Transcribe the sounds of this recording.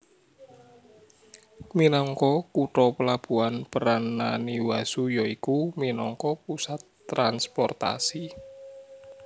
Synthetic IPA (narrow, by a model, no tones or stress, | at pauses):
minɔŋkɔkuʈɔpəlab̥uanpəɾanːaniwasujɔikuminɔŋkɔpusat̪ːɾanspɔrt̪a̰si